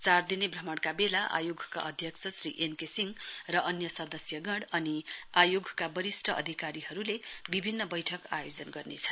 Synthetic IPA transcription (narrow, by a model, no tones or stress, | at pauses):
t͡sard̪inebrʌmʌɽkabelaʔa̰joɡʱka̰ʔʌd̪ʱjʌkt͡sʰʌsriʔenkesiŋrʌʔʌnjʌsʌd̪ʌsjʌɡʌɽʌniajoɡʱkabʌɾisʈʰʌʔʌ̰d̪ʱikaɾiɦʌɾulebibʱinːʌbʌjʈʰʌka̰jod͡zʌnɡʌrnet͡sʰʌ̥